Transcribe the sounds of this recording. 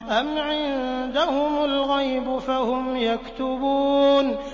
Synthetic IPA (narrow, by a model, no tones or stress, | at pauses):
ʔamʕɪnd̪ahʊmalɣajbʊfahʊmjakt̪ʊbuːn